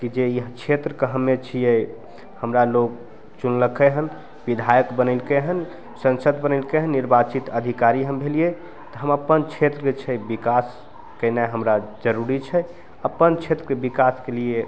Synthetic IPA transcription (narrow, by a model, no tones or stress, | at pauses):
kid͡ʒeiɦt͡ʃʰet̪ɾəkəɦəmːet͡ʃʰijɛ | həmɾalok̚ | t͡ʃunləkʰəɦən | bid̪ʱajəkbənəlkeɦən | sə̃nsəd̪bənəɪlkeɦənːiɾbat͡ʃit̪əd̪ʱikaɾiɦəmbʱelije | t̪ɔɦəməpːənt͡ʃʰet̪ɾəket͡ʃʰɛbikas | kənaɦəmɾad͡ʒəɾuɾit͡ʃʰɛ | əpːənt͡ʃʰet̪ɾəkebikaskelije